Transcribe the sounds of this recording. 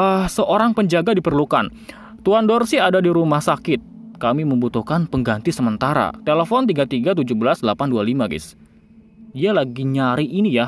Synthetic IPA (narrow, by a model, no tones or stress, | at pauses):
əsəʔoɾaŋpəɲd͡ʒaɡadipərlukan | t̪uandɔrsiadadiɾumahsakɪt̪̚kamiməmbut̪uhkanpəŋɡant̪isəmənt̪aɾa̰t̪eləfɔnt̪iɡat̪iɡat̪̬ud͡ʒuhbəlasdəlapandualimaɡɪ̰s | ialaɡiɲaɾiʔːnija